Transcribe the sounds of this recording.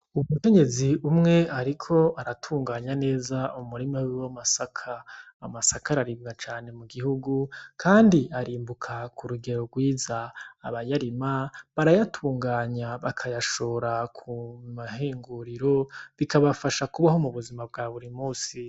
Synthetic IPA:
umuke̞ɲe̞ziumŋe̞aɾikʰo̞aɾatʰuːŋɡaːɲane̞ːzaumuɾimawwamasakʰaː | masakaɾaɾib̚ɡat͡ʃaːne̞muɡihuɡukʰaːndiaɾiːmbukʰakʰuɾuɡe̞ɾo̞ɡwiːzaːβajaɾimaβaɾajatʰuːŋɡaːɲaβakʰajaʃo̞ɾakʰumaɦiːŋɡuɾiɾo̞βikaβafaʃakuβaɦo̞muβuzimab̚ɡaːβuɾimuːsi

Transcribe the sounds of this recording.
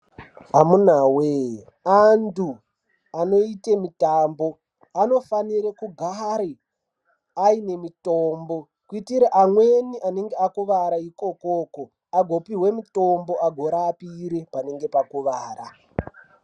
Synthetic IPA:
ɦamun̤awe | andu | ano̞itemitaːmbo̞ | ano̞faniɾekuɡʱaɾe | aine̞mitombo̞ | kuitiɾeʔamweniʔane̞ŋɡeakuʋaɾaiko̞ko̞ːko | aɡʱo̞piɦwe̞mito̞mbo̞aɡʱo̞ɾaːpiɾepane̞ŋɡe̞pakuʋaːra

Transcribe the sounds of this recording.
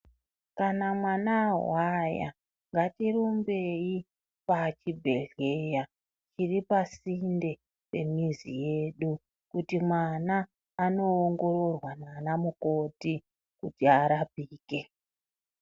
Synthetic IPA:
kanamwanawaja̰ | ŋɡatirumbe̞i | pat͡ʃibʱe̞ɮe̞ja | t͡ʃiripasinde̞ | pe̞̰mizḭje̞ɗu | kutimwanaː | no̞ːŋɡo̞ɾo̞rwananamuko̞ti | kutiaɾapiːke̞

